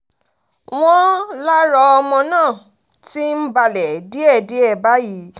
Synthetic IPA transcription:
w̃ɔ̃˦la˦ɾɔ˧ɔ˧mɔ̃˧nãː˦˨ | ti˦m̩˦ba˧lɛ˨di˦ɛ˦˨di˨˦ɛ˦˨ba˨˦ji˨˦

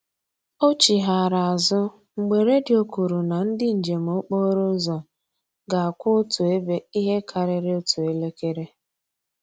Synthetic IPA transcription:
o˦t͡ʃi˨ɦa˨ɾa˨a˨zʊ˦ | ŋ͡m̩˨ɡ͡be˨ɾe˦dɪ˨o˦ku˨ɾu˨na˨n̩˦dɪ˦n̩˨d͡ʒe˨m̩˨o˦k͡po˦ɾo˦zɔ˨ | ɡa˨a˨kʷʊ˦tu˨e˦be˦i˦ɦe˦kʰa˨ɾɪ˨ɾɪ˦o˦tu˨e˦le˦ke˦ɾe˦

